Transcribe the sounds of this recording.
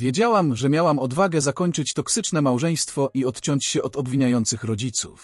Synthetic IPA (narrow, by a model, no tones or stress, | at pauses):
vʲjed͡ʑawamʐɛmʲjawamɔd̪vaɡɛzakɔɲt͡ʂɘt͡ɕt̪ɔksɘt͡ʂnɛmawʐɛj̃st̪fɔʔiɔt̪t͡ɕɔɲt͡ɕɕɛʔɔd̪ɔbvʲiɲajɔnt̪sɘxɾɔd͡ʑit̪sṵf